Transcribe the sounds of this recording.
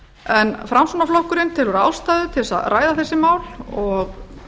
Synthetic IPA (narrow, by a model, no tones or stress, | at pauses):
ɛnfɾamsuːnaflɔhkʏɾɪnt̪ʰɪlvɛɾa̰wst̪aːjðʏt̪ʰɪlsa̰ðraːjðaθɛsːɪmaːwlɔɣ